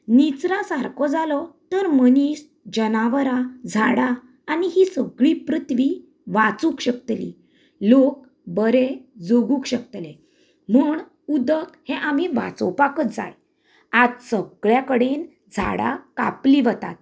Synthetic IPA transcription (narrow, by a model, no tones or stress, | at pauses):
nit͡sɾãsaɾkɔd͡zalɔt̪əɾməniːs | d͡ʑənaʋəɾad͡zʱaɽaː | niɦisəɡɭipɾut̪ʋi | ʋat͡sũkɕək̚t̪lḭ | lok̚ | bəɾed͡zoɡũkɕək̚t̪le | muːɳ | ud̪əkhẽʔamiʋa̰t͡sɔ̰wpakət̪̚d͡za̰j | ad͡zsəɡɭjakəɽen | d͡zʱa̰ɽa̰ka̰pliʋət̪a̰t̪̚